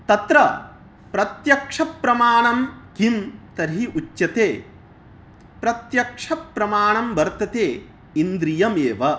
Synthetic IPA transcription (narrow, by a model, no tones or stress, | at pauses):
t̪ɐt̪ɾɐ | pɾɐt̪jɐkʂɐpɾɐmaːɳɐmkimt̪ɐɾɦiʔut͡ʃːɐt̪eː | pɾɐt̪jɐkʂɐpɾɐmaːɳɐmʋɐɾt̪ɐt̪eː | ind̪ɾijɐmeːʋɐ